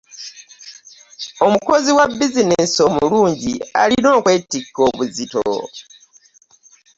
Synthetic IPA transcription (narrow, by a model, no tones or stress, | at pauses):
o̞muko̞ziwabːizineːso̞muluːɲɟia̰lino̞ːkwe̞ːtːikːo̞ːβuzito̰